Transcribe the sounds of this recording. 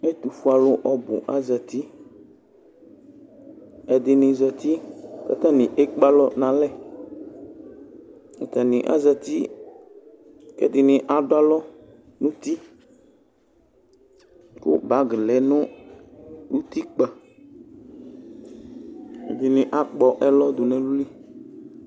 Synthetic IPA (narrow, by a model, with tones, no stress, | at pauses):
ɛ˦t̪u˨fu˨˦a˨lʊ˦ʔɔ˨bʊ̰˨ʔa˦za˨t̪i˦ | ɛ˨d̪ɪ˨nɪ̃˨zɔ˨t̪i˦ka̰˨t̪a˦nɪ̃˨ʔɛ˦k͡pa˦lɔ˦nã˨lɛ˦˨ | ka˨t̪a˨nɪ̃˨ʔa̰˦za˨t̪i˦ | kɛ̰˦d̪ɪ˨nɪ̃˨ʔa˨dʊ˦a˦lɔ˦ | nʊ̃˦t̪i˦ | kʊ̰˦ba˨˦ɡɪ˨lɛ˨˦nʊ̃˦ | lu˦t̪i˦k͡pa˨ | ɛ˨d̪ɪ˨nɪ̃˨ʔa˦k͡pɔ˨ʔɛ˦lɔ˦d̪ʊ˨nɛ̃˨lu˦li˦